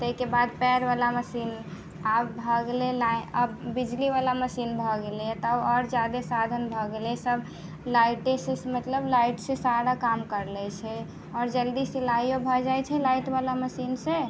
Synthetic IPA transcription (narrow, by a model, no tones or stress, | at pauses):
t̪əɦikebad̪̚pɛɾbalaməsin | abbʱɔɡelelaəbbid͡ʒliβalaməsinbʱɔɡelet̪ɔɔɾd͡ʒad̪esad̪ʱənbʱɔɡelesəb | laɪʈesesmət̪ləblaiʈsesaɾakamkəɾlɛt͡ʃʰɛ | ɔːɾd͡ʒəld̪isilajobʱɔd͡ʒajt͡ʃʰɛlaiʈbalaməsinse